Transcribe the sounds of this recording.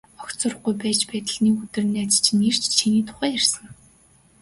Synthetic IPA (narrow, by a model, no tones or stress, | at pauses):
ɔktt͡sʊ̆r̆χɡujpæːt͡ɕpæːt̪ə̆ɮniːkut̪ɘ̆r̆nːæːt͡st͡ɕʰɪ̆ner̥t͡ɕʰt͡ɕʰiniːt̪ʰʊ̥χæːjærsə̆ŋ